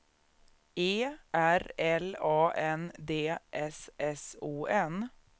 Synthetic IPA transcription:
eːʔæɾɛlɑːʔɛnd̪eːʔɛsʔɛsuːʔɛn

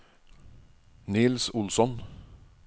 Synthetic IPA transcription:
nɪːlsʊlsɔn

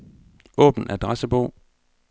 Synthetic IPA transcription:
ʔɔ̰̽ːb̥n̩æd̥ʁasəb̥ɔʊ̰

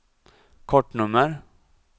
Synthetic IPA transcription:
kʰɔʈːɳɵmːəɾ

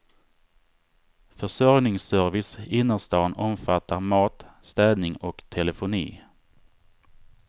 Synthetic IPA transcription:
fœʂɔɾnɪŋsœɾvɪsɪnːəst̪ɑːnɔmfat̪ʰːaɾmɑːt̪st̪ɛːd̪nɪŋɔkt̪ʰɛlɛfʊnḭː

